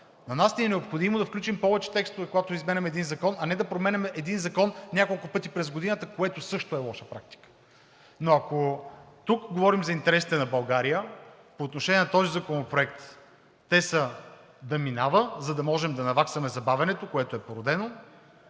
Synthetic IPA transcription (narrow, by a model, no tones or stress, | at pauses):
nɐnasniɛnɛopxod̪imod̪ɐfklʲut͡ʃimpɔvɛt͡ʃɛ̥t̪ɛkst̪ovɛkoɡat̪oizmɛnʲɛmɛd̪inzɐkɔnɐnɛd̪ɐpɾomɛnʲɛmɛʔɛd̪inzɐkɔnnʲakolˠkʊpɤt̪ipɾɛzɡod̪inət̪əkoɛt̪osɤʃt̪ʊɛlˠɔʃəpɾak̚t̪i̥kə̥ | noɐkot̪ukɡovɔɾimzɐint̪ɛɾɛsi̥t̪ɛnɐbɐlˠɡaɾijə | poːt̪noʃɛnʲjɛnɐt̪ɔzizɐkonopɾoɛk̚t̪ː | ɛsə | d̪ɐminavəzɐd̪ɐmɔʒɛmd̪ɐnɐvaksvɐmɛzɐbavʲɐnɛt̪okoɛt̪oɛpoɾod̪ɛno